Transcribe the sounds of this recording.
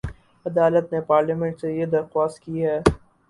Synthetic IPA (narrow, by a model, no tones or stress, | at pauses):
ɐd̪aːlət̪nepaːɾlimɛ̃ɳʈsejed̪ɐɾxaːst̪̚kiɦɛː